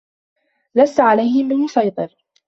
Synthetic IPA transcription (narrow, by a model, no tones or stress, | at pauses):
lasːaʕalajhɪmbɪlmʊsɑjt̪ˤɨɾ